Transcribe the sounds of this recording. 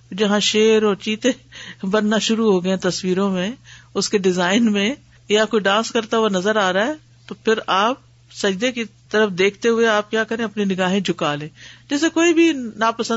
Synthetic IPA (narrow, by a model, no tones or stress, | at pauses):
d͡ʒɐɦãːʃeːɾoːɾt͡ʃiːt̪ẽːbənnaʃʊɾuɦoːɡəẽːt̪əswiːɾõmẽːʊskeɖɪzaːɪnmẽ | jaːkoːiɖãːnskəɾt̪aɦʊanɐzəɾaːɾaːɦɛː | t̪oːpʰɪɾaːp̚ | səd͡ʒd̪ekit̪əɾəfd̪eːkʰt̪eɦʊeaːp̚kjaːkəɾẽɐpninɪɡaːɦẽd͡ʒʱʊkaːlẽːd͡ʒɪsekoːibʱinaːpəsə̃